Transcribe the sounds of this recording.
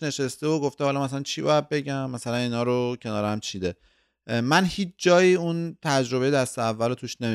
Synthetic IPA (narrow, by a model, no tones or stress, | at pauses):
ne̞ʃest̪eoɡoft̪ehɒlɒːmæs̬ælænt͡ʃʰiːbɒ̰ːjæd̪̚be̞ɟæmːæsælæniːnhɒːɾocʰe̞nɒːɾæmt͡ʃʰiːd̪e | mænhiːt͡ʃʰd͡ʒɒːjiːunt̪ʰæd͡ʒɾo̞βejeæst̪eævːælot̪ʰuːʃnemi